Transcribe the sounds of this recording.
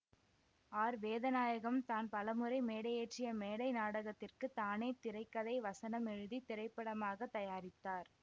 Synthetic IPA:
aːɾʋeːðɐnaːjɐɣɐmt̪aːnpɐlɐmɯɾɐɪmeːɽɐjeːʈrɪjɐmeːɽɐɪnaːɽɐɣɐt̪ːɪrkɯt̪aːneːt̪ɪɾɐɪkːɐðɐɪʋɐsɐnɐmɛɻɯðit̪ɪɾɐɪpːɐɽɐmaːɣɐt̪ːɐjaːɾɪt̪ːaːɾ

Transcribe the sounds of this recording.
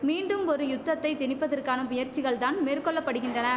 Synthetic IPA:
miːɳɖɯmɔɾɯjʊt̪ːɐt̪ːɐɪt̪ɪnɪpːɐðɐrkaːnɐʋʊjɐɾt͡ʃːɪɣɐɭt̪aːnmeːrkɔɭːɐpːɐɽɯɣɪndrɐnɐ

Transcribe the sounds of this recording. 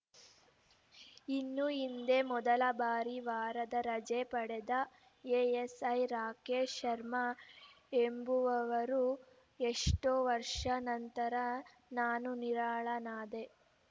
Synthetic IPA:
inːuind̪e̞mɔd̪ɐlɐbaːɾiʋaːɾɐd̪ɐɾɐd͡ʒepɐɽed̪ɐ | eːesɐjɾaːkeːʃɐɾmɐ | embuʋɐʋɐɾu | eʂʈoːʋɐɾʂɐnɐnt̪ɐɾɐ | naːnuniɾaːɭɐnaːd̪e̞

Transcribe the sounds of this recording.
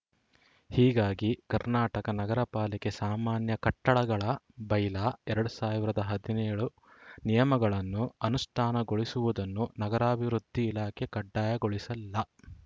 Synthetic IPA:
hiːɡaːɡikɐɾnaːʈɐkɐnɐɡɐɾɐpaːlɛke̞saːmaːnjɐkɐʈːɐɭɐɡɐɭɐ | bɐjlaːɛɾɐɽusaːʋiɾɐd̪ɐɦɐd̪inɛːɭu | nijɐmɐɡɐɭɐnːuɐnusʈʰaːnɐɡo̞ɭisuʋud̪ɐnːunɐɡɐɾaːbʱiʋɾud̪ʱːiːlaːkʰekɐɖːaːjɐɡoɭisɐlːɐ

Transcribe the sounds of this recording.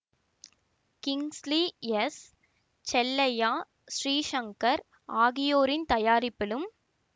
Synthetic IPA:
kɪŋslijɛs | t͡ʃɛlːɐjaː | ʃɾiːʃɐŋkɐɾ | aːɣɪjoːɾɪnt̪ɐjaːɾɪpːɪlɯm

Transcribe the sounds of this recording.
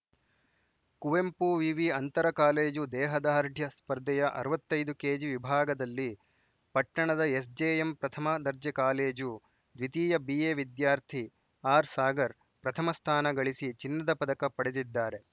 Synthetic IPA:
kuʋempuʋiʋiɐnt̪ɐɾɐkaːleːd͡ʒud̪ɛːɦɐd̪aːɾd̪ʱjɐspɐɾd̪ɛjɐʔɐ̰ɾɐʋɐt̪ːɐjd̪ukeːd͡ʒiʋibʱaːɡɐd̪ɐlːi | pɐʈːɐɳɐd̪ɐesd͡ʒeːempɾɐt̪ʰɐmɐd̪ɐɾd͡ʒjɐkaːleːd͡ʒu | d̪ʋit̪iːjɐbiːjeːʋid̪jaːɾt̪ʰi | aːɾsaːɡɐɾ | pɾɐt̪ʰɐmɐst̪ʰaːnɐɡɐɭisit͡ʃinːɐd̪ɐpɐd̪ɐkɐpɐɽed̪id̪ːaːɾe̞

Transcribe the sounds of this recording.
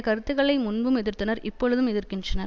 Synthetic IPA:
kɐɾɯt̪ːɯɣɐɭɐɪmʊnbɯmɛðɪɾt̪ːɯnɐɾɪpːɔɻɯðɯmɛðɪɾkɪndrɐnɐɾ

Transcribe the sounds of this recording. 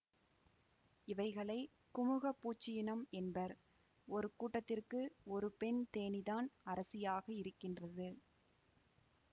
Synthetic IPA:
ɪʋɐɪɣɐɭɐɪ | kʊmʊɣɐpːuːt͡ʃːɪjɪnɐmɛnbɐɾ | ɔɾɯkuːʈːɐt̪ːɪrkɯɔɾɯpɛnt̪eːnɪðaːnɐɾɐsɪjaːɣɐɪɾɯkːɪndrɐðɯ

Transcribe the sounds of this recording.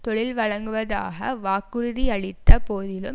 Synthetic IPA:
t̪ɔɭɪlʋɐɻɐŋɡɯʋɐða̰ːɣɐʋaːkːɯɾɯðiɐɭɪt̪ːɐpoːðɪlɯm

